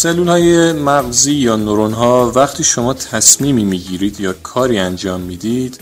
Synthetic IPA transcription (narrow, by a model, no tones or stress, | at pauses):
selːuːlhɒːjemæɣziːjɒːnoɾonɦɒːvæχt̪ʰiːʃomɒːt̪ʰæsmiːmiːmiːɟiːɾiːd̪jɒːkʰɒːɾiːænd͡ʒɒːmːiːd̪iːd̪̥